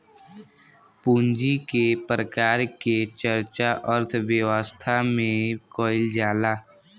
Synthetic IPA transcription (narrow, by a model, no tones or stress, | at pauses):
puːnd͡ʒikepɾəkaːɾket͡ʃəɾt͡ʃaʔəɾt̪ʰʋjəwəst̪ʰamẽkoːɪld͡ʒaːlaː